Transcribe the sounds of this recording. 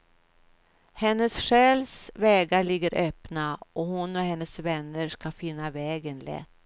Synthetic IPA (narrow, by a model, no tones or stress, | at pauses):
hɛnːəsɧɛːlsvɛːɡaɭɪɡːəɾʔøːpnaʔɔhʊnɔɦhɛnːəsvɛnːəʂkafɪnːavɛːɡənlɛ̰t̪ː